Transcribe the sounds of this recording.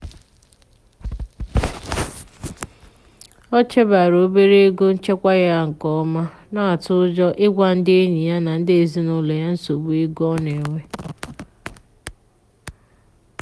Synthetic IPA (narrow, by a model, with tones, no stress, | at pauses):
ɔ˦t͡ʃe˦ba˨ɾo˨˦be˦ɾe˦e˦ɡo˦n̩˦t͡ʃe˦kʷa˦ja˦ŋ̩˨kɔ˦ma˦ | na˦a˨tʊ˦ʊ˦d͡ʒɔ˦ʔɪ˦ɡʷa˦n̩˦dɪ˦e˦ɲi˨ja˦na˨n̩˦dɪ˦e˨zi˦nʊ˦le˨ja˦n̩˦so˨bu˦e˦ɡɔ˦ne˨ŋʷe˦